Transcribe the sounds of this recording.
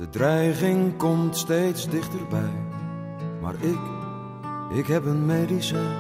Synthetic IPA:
d̥ədrɛjχɪŋkɔmtsteːjtsdɪχtərbɛj | ma̰ːɹɪk | ʔɪkɦɛpənmeːdisɛ

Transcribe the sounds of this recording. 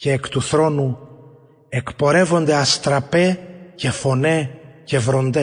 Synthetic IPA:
ceːkt̪uθɾo̞nu | ekpo̞ɾe̞vo̞nd̪e̞ɐst̪ɾɐpe̞ce̞fo̞ne̞ce̞vɾo̞nd̪e

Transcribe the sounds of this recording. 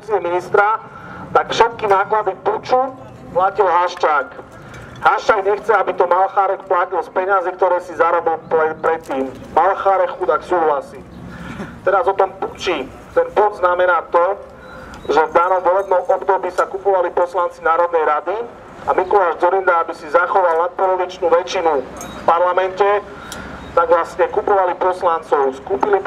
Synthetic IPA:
t͡siɛminist̪ɾa | t̪akfʃɛt̪̚kinaːklad̪iput͡ʃu | placilɦaʃt͡ʃaːk | ɦaʃt͡ʃaːɡɲɛxt͡sɛabit̪ɔmalxaːɾɛkplacilspɛɲazikt̪ɔɾɛːsizaɾɔbilppɾɛt̪ːiːm | malxaːɾɛxud̪aksuːɦlasiː | t̪ɛɾazɔt̪ɔmput͡ʃi | t̪ɛnpud̪znamɛnaːt̪ɔ | ʒɛvd̪aːnɔmʋɔlɛbnɔmɔbd̪ɔbiːsakupɔʋalipɔslant͡sinaːɾɔd̪̚nɛjɾad̪i | amikɔlaːʒd͡zɔɾind̪aabisizaxɔʋalnat̪̚pɔlɔɾit͡ʃnuːʋɛt͡ʃinufpaɾlamɛncɛ | t̪aɡʋlasɲɛkupɔʋalipɔslant͡sɔʊskuːpili

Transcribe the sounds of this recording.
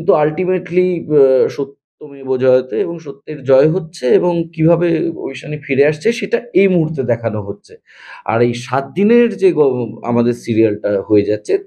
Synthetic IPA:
nt̪ualʈimeʈliʃot̪ːomebod͡ʑɔet̪eeboŋʃot̪ːeɾd͡ʑɔeɦotːɕʰeeboŋkibʱabeo̰biʃanifiɾeaʃt͡ɕʰeʃeʈaejmuɦuɾt̪ːed̪ɛkʰanoɦotːɕʰe | a̰ɾejʃat̪̚d̪ineɾd͡ʑeɡɔa̰mad̪eɾsiɾialʈaɦoed͡ʑatːɕʰe

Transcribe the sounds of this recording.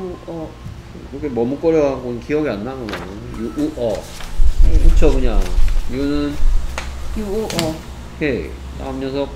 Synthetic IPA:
ʌ | kɾʌkʰemʌmuk͈ʌɾjʌɡɦaɡonɯnkiʌɡianːanoo | juʔuʔʌ | kut͡ɕʰokɯɲaiɡʌnɯn | juʌ | je | ta̰ɯmjʌnsʰʌ

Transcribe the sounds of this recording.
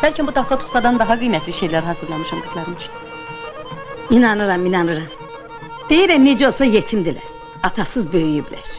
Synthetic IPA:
b̥ælʲcʰinbud̪ʰaft̪ʰat̪ʰu̥t̪ʰad̪and̪aɦaɡɯjmɛt̪lʲiʃejlʲæɾɦasɯɾlʲˠanmiʃamkʰɯzlˠaɾmɯʃ | inanɯɾaminanɯɾam | d̪̥ejiɾɛmned͡ʒɛo̞lˠsajet̪ʰimd̪ilʲɛ̰ | at̪ʰasɯzbøjyjybilʲɛ̰

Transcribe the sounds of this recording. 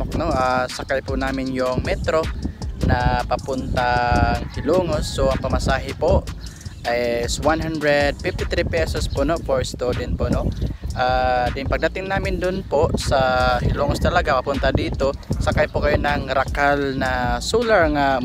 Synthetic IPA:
ok̚noʔasɐkajpʊnaːmɪnjʊŋmɛt̪ɾo̞nɐpɐpʊnt̪aŋhɪloːŋosːoʔɐŋpɐmɐsaːɦɪpoʔʔajswanɦand̪ɾɛd̪̚fɪft̪ɪt̪ɾipɛsospoʔnofoɹst̪od̪ɛn̚poʔnoʔad̪ɪŋpɐɡ̚d̪ɐt̪ɪŋnaːmɪnd̪ʊnpoʔsɐhɪloːŋost̪ɐlɐɡapɐpʊnt̪ad̪iːt̪o̞sɐkajpʊkɐjonɐŋɾɐkalnɐsuːlɐɹŋa

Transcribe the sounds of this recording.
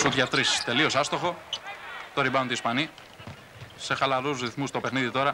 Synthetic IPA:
sut̪ʝɐt̪ɾist̪e̞lio̞sɐst̪o̞xo̞ | t̪oɾibɐnunt̪iːspɐni | se̞xɐlɐɾuzɾiθmust̪o̞pe̞xniðit̪o̞ɾɐ

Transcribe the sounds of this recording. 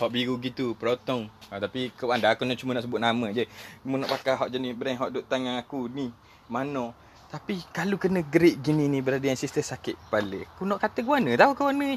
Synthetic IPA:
hɔʔbiɣuɡit̪upəɾɔt̪ɔŋat̪apikəwandaakunɔʔt͡ʃumənɔʔs̬əbʊt̪̚namə̃d͡ʒəmunɔʔpakaɦɔʔd͡ʒanibəɾajɦɔʔdoʔt̪aŋaŋakuni | manɔ | t̪apikalukənə̃ɡɾiʔ̚ɡinĩnĩbəɾadəjansist̪əsakɪʔ̪̚paləakunɔʔkat̪əkuwanə̃t̪aukəwanə̃

